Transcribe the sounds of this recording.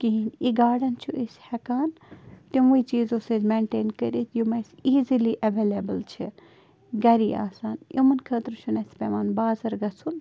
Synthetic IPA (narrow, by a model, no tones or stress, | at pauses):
kiɦiniɡaːɖɐnt͡ʃʰuʔishɐkaːnt̪imʋuit͡ʃiːzoːsezmeːɳʈeːnkəɾit̪jumɐsiːziliʔɐʋeːlebəlt͡ʃʰi | ɡɐɾia̰ːsaːnjʔomɐnkʰəːt̪ɾt͡ʃʰunɐspeʋaːnbaːzɐɾɡɐsun